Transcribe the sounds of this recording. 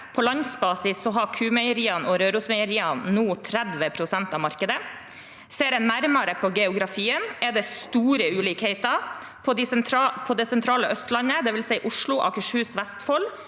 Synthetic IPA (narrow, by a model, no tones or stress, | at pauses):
pʰɔlɑnsbɑːsɪsːɔɦɑkʰʉːmɛɪəɾiːɑnɔɾøːɾʊsmɛɪəɾiːɑnnuːt̪ʰɾæd̪ʋəpʰɾʊsɛnt̪ɑːmɑɾkəd̪ə | seːɾɛnæɾmɑɾəpʰɔɡɛʊɡɾɑfiːənɛd̪ɛst̪uːɾəʉːliːkhɛɪt̪ɑ | pʰɔd̪ɪspʰɔd̪ɛsɛnt̪ʰɾɑːləʔœst̪lɑnəd̪ɛʋɪlsɛɪʔʊʂɭʊʔɑ̰kəʂhʉːsʋæst̪fɔl